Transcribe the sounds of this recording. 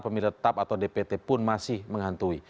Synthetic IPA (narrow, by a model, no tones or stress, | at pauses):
pəmilət̪apat̪awdepet̪ɛpʊnmasɪhməŋɦant̪ui